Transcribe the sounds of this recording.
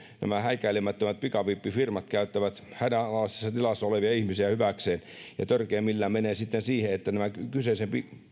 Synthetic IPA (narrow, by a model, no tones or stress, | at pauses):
næ̰mæhæikæilemæt̪ːømæt̪̚pikɑpipːifirmɑt̪kæyt̪ːæʋæt̪hænænlɑˑst̪e̥sːɑt̪ilɑsːɑoleʋiɑihmisiæhyʋækseːn | jɑ̰t̪ørkeːmmilːæːmeneːsit̪ːensiːheet̪ːænæmækysesempi